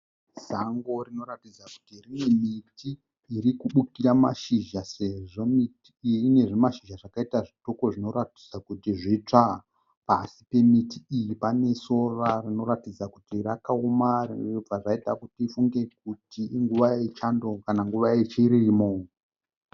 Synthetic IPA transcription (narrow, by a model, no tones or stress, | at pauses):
z̥aŋɡo̞rino̞ɾatid͡zaku̥tirine̞mitʰiː | ɾikuɓukiɾama̰ʃiʒaseʐo̞mitiine̞ʐemaʃiʒaʐakaitaʐito̞ko̞ʐino̞ɾatid͡zakutiʐit͡ʂa | pasi̥pe̞mitʰiːjipane̞so̞rarino̞ɾatid͡zakutirakaomarrib͡vaʐaita̰kutifuŋɡe̞k̚utiŋɡuʋaet͡ʃando̞kanaŋɡuʋaet͡ʃiɾimo̞